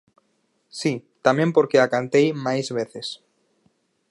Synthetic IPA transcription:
sit̪amẽmpoɾkeakant̪ejmajzβeθes

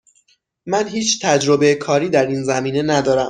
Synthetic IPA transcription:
mænɦiːt͡ʃʰt̪ʰæd͡ʒɾo̞be̞jekʰɒːɾiːd̪æɾiːnzæmiːne̞næd̪ɒːɾæm

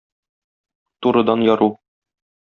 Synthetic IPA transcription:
t̪uɾɤ̆d̪ɑnjɒɾu

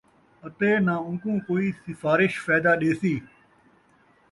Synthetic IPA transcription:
ət̪eːnãːʊ̃ːkũːkoːiːsɪfaːɾɪʃfaːd̪aːɗeːsiː

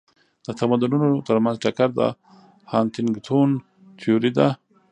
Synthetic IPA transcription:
d̪̥ət̪amad̪ununot̪əɾmanzʈakaɾd̪a̰ | hɑːnt̪ɪŋɡt̪ʰun | t̪ʰijoɾid̪a

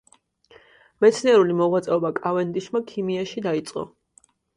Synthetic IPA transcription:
mɛt̪sʰniɛɾulimɔʁwat̪sʼɛɔbakʼavɛnd̪iʃmakʰimiaʃid̪ait̪sʼqʼɔ̰

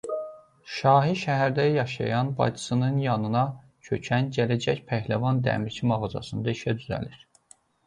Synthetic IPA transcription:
ʃɑːɦiʃæɦæɾd̪æjɑʃɑ̰jɑnbɑ̰jd̪ɯ̥sɯnɯnjɑnɯnɑ | cʰø̞cʰænɟælæd͡ʒæçpʰæhlævɑnd̪æ̰miɾcʰimɑɣɑd͡ʒɑ̰sɯnd̪ɑiʃæd̪yzæ̰liɾ̥

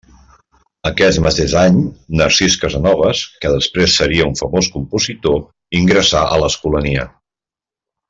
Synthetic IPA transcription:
əkɛt̪mət̪ezaɲnəɾsiskəzənɔβ̞əskəðəspɾesːəɾiəuɱfəmoskumpuzit̪o | iŋɡɾəsaʔələskuləniə̰

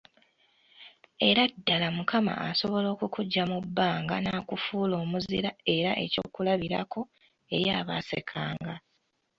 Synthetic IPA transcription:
e̞ɾadːalamukama̰ʔaso̞βo̞lo̞ːkukuɟːamubːaːŋɡa̰naːkufuːlo̞ːmuziɾae̞ɾaʔe̞co̞̰ːkulaβiɾa̰kʰo̞ | e̞̰ɾjaːβa̰se̞̰kʰaːŋɡa

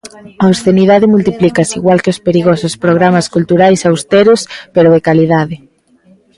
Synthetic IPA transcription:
ɐosθeniðaðɪmult̪iplikasiɣwalkeospeɾiɣosʊspɾoɣ̞ɾamaskult̪uɾajsawst̪eɾʊspeɾʊðekaliðaðɪ

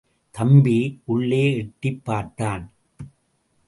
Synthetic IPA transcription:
t̪ɐmbiʔʊɭːeːɛʈːɪpːaːɾt̪ːaːn

